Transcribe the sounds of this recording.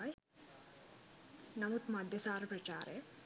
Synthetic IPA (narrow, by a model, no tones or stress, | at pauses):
j | nɐmut̪mɐd̪ʱjɐsaːɾɐpɾɐt͡ʃaːɾḛ